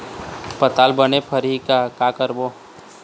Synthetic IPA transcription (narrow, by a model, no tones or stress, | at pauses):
pət̪aːlbənepʰəɾɦikakakəɾbo